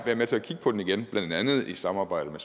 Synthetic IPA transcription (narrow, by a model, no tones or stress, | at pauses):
ʋæɐmet͡sʰe̝ækʰiɡ̥ə̥pʰɒ̽d̥eniɡ̥enb̥lænd̥ænð̞̩ˠisɑ̈mɑːb̥ɑ̈ɪ̰ɾ̥əmes